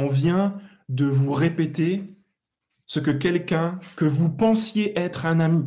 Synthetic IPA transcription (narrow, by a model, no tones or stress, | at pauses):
ɔ̃vjɛ̃ | d̪əvuʁepet̪e | səkəkʲɛlkʲɛ̃kəvupɑ̃sjeʔɛt̪χɛ̃nami